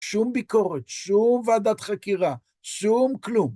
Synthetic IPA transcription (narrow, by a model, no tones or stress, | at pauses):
ʃumbiko̞ʁet̪ʃumvaad̪at̪χakiʁa | ʃumklum